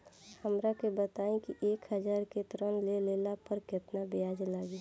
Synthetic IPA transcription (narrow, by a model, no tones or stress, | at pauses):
həmɾakebət̪aːẽkiʔeːkɦəd͡ʒaːɾket̪ɾənleleːlapəɾkɪt̪nabejaːd͡ʒlaːɡi